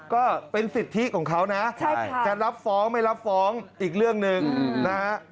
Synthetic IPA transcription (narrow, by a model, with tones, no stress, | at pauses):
kɔː˥˩pe˧nsi˨˩t̪ʰːi˦˥kʰɔː˩˦ŋkʰa˦˥wna˦˥t͡ɕt͡ɕa˨˩ɾa˦˥p̚fɔː˦˥ŋma˥˩jɾa˦˥p̚fɔː˦˥ŋʔiː˨˩k̚ɾɯ˥˩əŋnɯ˧ŋna˦a˥